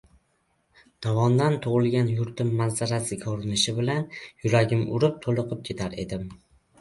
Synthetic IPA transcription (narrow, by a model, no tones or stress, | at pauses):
d̪̥ɒvɒnd̪ant̪ʰʊʁɨlˠɡʲanjʊɾt̪ɪmːanzaɾasɪkʰɵɾɪnɪʃɪbɪlanjʊɾaɡʲɪmʊ̰ɾɪp̚t̪ʰolˠɨqʰɨp̚kʰʲet̪ʰaɾe̞̰d̪ɪm